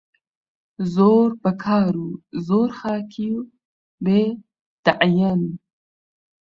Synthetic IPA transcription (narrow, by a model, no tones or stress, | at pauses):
zoːɾpakʰɑːɾuzoːɾxɑːkʰiju | be | t̪aʕjan